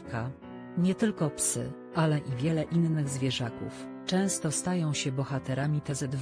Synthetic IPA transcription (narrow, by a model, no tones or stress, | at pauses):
ka | ɲɛt̪ɘlkɔpsɘ̰ | ʔalɛʔivʲjɛlɛʔinːɘɣzvʲjɛʐakṵf | t͡ʂɛ̃w̃st̪ɔst̪ajɔ̃w̃ɕɛbɔxat̪ɛɾamʲit̪ɛzɛd̪